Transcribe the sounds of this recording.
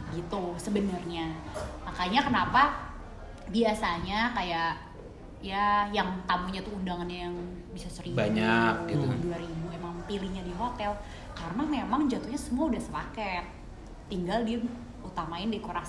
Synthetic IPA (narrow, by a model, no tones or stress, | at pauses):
ɡit̪usəbənərɲamakaɲakənapa | biasaɲakajaʔ | jajaŋt̪amuɲat̪uːndaŋanɲajaŋ | bisasəɾibaɲakilduaɾibuemaŋpiliɲadiɦot̪ɛl | karənamemaŋd͡ʒat̪uhɲasəmuaudahsəlakɛt̪̚ː | iŋɡaldi | ut̪amaɪndaikoɾaŋ